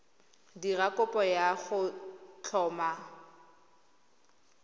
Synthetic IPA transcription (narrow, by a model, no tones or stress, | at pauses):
dirakʼʊpʼɔjaχʊt͡ɬʰɔːma